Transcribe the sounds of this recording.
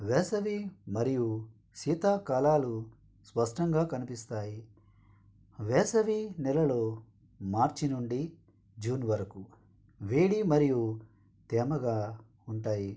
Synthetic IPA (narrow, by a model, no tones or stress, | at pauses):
ʋɛːsɐʋimɐɾiju | siːt̪aːkaːlaːlu | spɐʂʈɐŋɡaːkɐnipist̪aːji | ʋɛːsɐʋinɛlɐlo̞ː | maːɾt͡ʃinuɳɖi | d͡ʒuːnʋɐɾɐku | ʋeːɽimɐɾiju | t̪ɛːmɐɡaː | uɳʈaːji